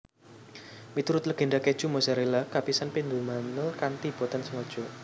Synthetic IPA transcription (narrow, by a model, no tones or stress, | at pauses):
mit̪uɾʊt̪̚ləɡ̥e̤ɳɖaked̥ʒ̥umosaɾelakapisanpind̪umanʊlkant̪ib̥ɔ̤t̪ansəŋɔd̥ʒ̥ɔ